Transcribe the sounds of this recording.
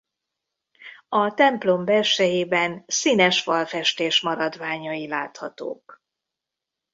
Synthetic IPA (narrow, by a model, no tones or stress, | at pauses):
ɒt̪ɛmplo̞mbɛlʃɛjeːbɛnsinɛʃʋɒlfɛʃt̪eːʃmɒɾɒd̪vaːɲɒjilaːt̪hɒt̪o̰ːk